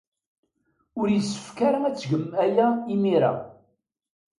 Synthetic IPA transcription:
ʊɾjəsːə̥fkaɾaæt͡sːɡəmːæjæimiɾa̰

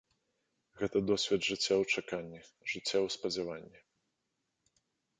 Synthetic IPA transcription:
ɣɛt̪ɐd̪ɔsʲvʲɛd̪ʐɨt͡sʲːawt͡ʂakanʲːi | ʐɨt͡sʲːawspɐd͡zʲavanʲːi

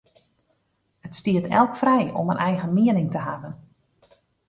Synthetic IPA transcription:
hətstiətʰɛ̰lˠkfrɛjɔ̰mənʔɛjɣəmiənɪŋtəɦavən

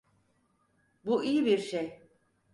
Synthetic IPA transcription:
buʔijibiɾʃej

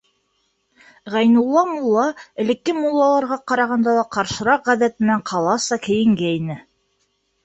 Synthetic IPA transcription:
ʁæjnulˠːɑmulˠːɑɘ̆lɘ̆kːɘmulˠːɑlˠɑɾʁɑqɑɾɑʁɑnd̪ɑlˠɑqɑɾʃɤ̆ɾɑqʁæðæt̪̚ɘ̆ɘnæɴqʰɑlˠɑsɑkɘ̆jɘ̆ŋɡæinɘ

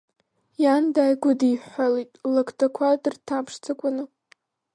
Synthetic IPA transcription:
jandajɡʷʊdijħʷalitʼlakʰʼtʰakʷʰadɨrtʰapʰʂt͡sʰɨkʷʼʊnɨ

